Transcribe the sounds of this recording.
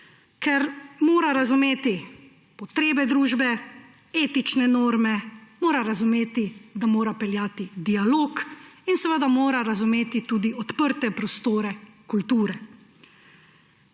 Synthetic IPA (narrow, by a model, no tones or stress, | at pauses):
kɛɾmoːɾaɾazumeːt̪i | pɔt̪ɾeːbɛd̪ɾuːʒbɛ | eːt̪it͡ʃnɛnoːɾmɛmoːɾaɾazumeːt̪id̪amoːɾapɛljaːt̪id̪ialoːkinsɛʋəd̪amoːɾaɾazumeːt̪it̪uːd̪iɔt̪pəɾt̪ɛpɾɔst̪oːɾɛkult̪uːɾɛ